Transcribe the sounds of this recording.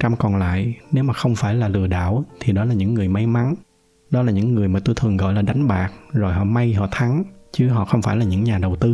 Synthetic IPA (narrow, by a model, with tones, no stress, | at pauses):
t͡ɕa˧mkɔ˨˩nla̰ː˧˨jne˨˦wmaː˨˩xə˧wŋ͡mfaː˧˩jlaː˨˩lɨ̰˧˩əɗa̰ː˧˨wt̪ʰi˨˩ɗɔ˨˦laː˨˩ɲɨ̰˧˥ŋːɨ˨˩əjma˨˦jma˨˦n | ɗɔ˨˦laː˨˩ɲɨ̰˧˥ŋːɨ˨˩əjmaː˨˩t̪o˧jt̪ʰɨ˨˩ŋɣɔ̰˧˨jlaː˨˩ɗa˨˦jŋ̟ɓaː˨˩k̚zo˨˩jɦɔ̰˧˨ma˧jɦɔ̰˧˨t̪ʰa˨˦ŋt͡ɕɨ˨˦ɦɔ̰˧˨xə˧wŋ͡mfaː˧˩jlaː˨˩ɲɨ̰˧˥ŋɲaː˨˩ɗə˨˩wt̪ɨ˧